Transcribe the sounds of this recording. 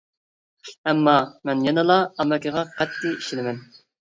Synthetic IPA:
ɛmːɑmɛnjɑnɨlˠɑɑmɛkʲɪʁɑqʰɛt̪ːijiʃɪlɪmɛn

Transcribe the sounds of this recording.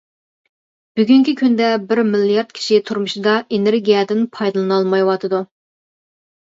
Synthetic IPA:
b̥yɡʲyŋkʲikʲʰynd̪ɛbɪɾmilijɑɾd̪̚kʲʰi̥ʃiɪt̪ʰuɾmuʃid̪ɑʔeneɾɡʲijɛd̪ɪnpʰɑjd̪ɨlˠɨnɑlˠmɑjwɑt̪ʰɨd̪u

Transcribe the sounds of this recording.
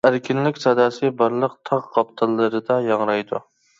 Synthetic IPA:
æɾkʲʰɪnlɪkʲsɑd̪ɑːsɨbɑɾlˠəqt̪ʰɑʁqɑpt̪ʰɨlˠːɨɾɨd̪ɑjɑŋɾɑjd̪u

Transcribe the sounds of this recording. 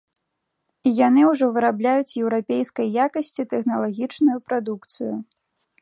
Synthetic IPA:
ijan̪ɨwʐɔvɨɾablʲajut͡sʲjɛwɾapʲejskɐjːakɐsʲt͡sʲit̪ɛxnɐlˠaɣʲit͡ʂnujupɾad̪ukt̪sɨju

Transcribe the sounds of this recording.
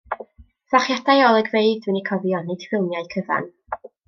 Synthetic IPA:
vaχjadajɔlˠəɡveɨdd̥wɨnikʰɔvjɔnːed̥fwɪlˠmjaɨkʰəva̰n

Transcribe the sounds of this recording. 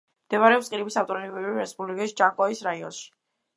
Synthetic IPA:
md̪̥ɛvaɾɛɔpsqʼiɾibisaft̪ʼɔɾnibɛviɾɛspʼublikʼisd͡ʒaŋkʼɔisɾaiɔ̰nʃi̥

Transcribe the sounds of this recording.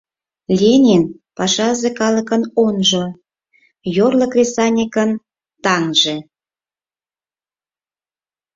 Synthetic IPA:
lʲenʲin | pɑʃɑzekɑləkənonʒo | jorlə̆krʲesɑnʲikən | t̪ɑŋʒe

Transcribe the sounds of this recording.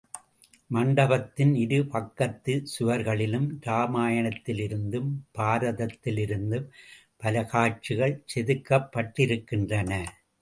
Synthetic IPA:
mɐɳɖɐbɐt̪ːɪnɪɽɯpɐkːɐt̪ːɯsʊʋɐɾɣɐɭɪlɯmɾaːmaːjɐɳɐt̪ːɪlɪɾɯnd̪ɯmb̥aːɾɐðɐt̪ːɪlɪɾɯnd̪ɯm | pɐlɐɣaːt͡ʃiɣɐɭsɛðɯkːɐpːɐʈːɪɾɯkːɪndrɐnɐ

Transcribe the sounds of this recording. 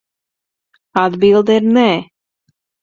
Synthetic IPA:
ad̪bilˠd̪ɛiɾnɛ

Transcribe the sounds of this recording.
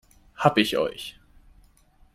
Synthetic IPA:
hapiço̰jç

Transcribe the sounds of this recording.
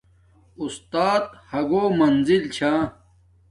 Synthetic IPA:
ust̪aːt̪hɐɡoːmɐnzilt͡ɕʰãː

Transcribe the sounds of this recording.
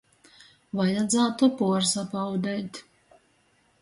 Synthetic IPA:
vajad̪zaːt̪upuɔɾsapawd̪ɛjt̪

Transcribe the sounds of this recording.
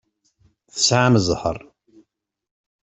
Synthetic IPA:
θə̥sʕaməzˤhə̰ɾˤ

